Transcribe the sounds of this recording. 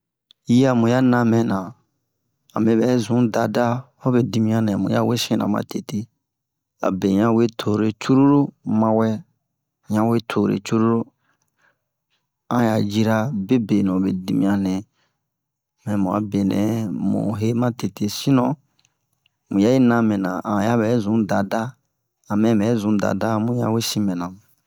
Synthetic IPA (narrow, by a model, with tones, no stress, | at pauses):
ji˦a˨mũ˨ja˦nã˧mɛ̃˨nã˨ | a̰˨mẽ˨bɛ˨˦zũ˨˦da˨da˦ | ɔ˦be˨di˨mĩ˦ã˦nɛ̃˨mũ˨ja̰˦we˦sɛ̃˦nã̰˨mã̰˦te˨te˦ | a̰˨be˨ɲã˦we˦tʰo˨ɾe˨t͡ʃu˦ɾu˦ɾo˦mã˧wɛ˦ | ɲã˦we˦tʰo˨ɾḛ˨t͡ʃu˦ɾu˦ɾo˦ | ã˦ja˨d͡ʒi˦ɾa˦be˦be˨nɔ̃˨be˨di˦mĩ˦ã˦nɛ̃˨ | mɛ̃˨mɔ̃˨a̰˨˦be˨nɛ̰̃˨˦mṵ̃˨ɦe˦mã˦te˨te˦sĩ˦nɔ̃˦ | mũ˨ja˦je˦nã˦mɛ̃˨nã̰˨ã˨ja˦bɛ˨˦zũ˨˦da˨da˦ | a˨mɛ̃˦mɛ˨˦zũ˨˦da̰˨da˦˨˦mũ˦ja̰˦we˦sĩ˦mɛ̃˨nã˨